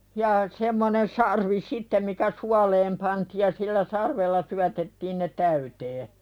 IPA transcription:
jɑ semːonen sɑrʋi sitːem mikæ suɑleːm pɑntiːj̆ jɑ silːæ sɑrʋelːɑ syætetːiːn ne tæyteː

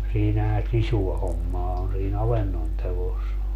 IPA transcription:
siːnæhæ sisuɑ homːɑː on siːn ɑʋenːon teʋos

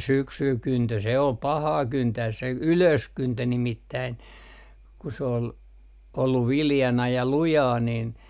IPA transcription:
syksyː kyntø se ol pɑhɑː kyntæːs se yløskyntø nimitːæin ku s oːl olːuʋ ʋiljɑnɑ jɑ lujɑː nin

